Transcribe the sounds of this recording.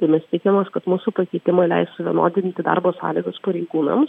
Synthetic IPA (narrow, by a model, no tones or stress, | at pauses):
t̪ɐɪmʲɛst̪ʲɪkʲɛmɐskɐt̪muːsʊpɐkʲɛɪt̪ʲɪmɐɪlʲɛ̰ɪst̪sʊʋʲiɛnoːd̪ʲɪnʲt̪ʲɪd̪ɑ̰ːɾboːsɑ̰ːlʲiːɡɐspɐɾʲɛɪɡuːnɐ̰ms